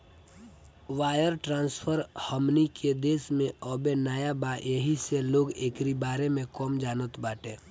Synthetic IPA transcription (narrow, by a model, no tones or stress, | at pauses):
ʋaːjəɾʈɾãːnspʰəɾhəmnikʰed̪eːsmẽɔːbenaːjabajəɦiseloːɡeːkɾibaːɾemẽkɔːmd͡ʒaːnət̪baːʈẽː